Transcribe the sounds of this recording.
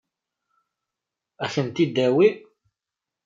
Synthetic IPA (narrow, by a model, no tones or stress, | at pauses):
æçənt̪id̪ːæwi